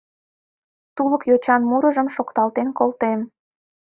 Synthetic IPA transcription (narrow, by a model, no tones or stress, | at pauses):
t̪uləkjot͡ɕɑnmuɾəʒəmʃokt̪ɑlt̪enkolt̪em